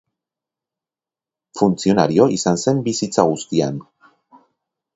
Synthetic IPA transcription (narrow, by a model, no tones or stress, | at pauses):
funt͡sio̞na̰ɾio̞ʔisanse̞mbisit͡saɣ̞ust̪ia̰n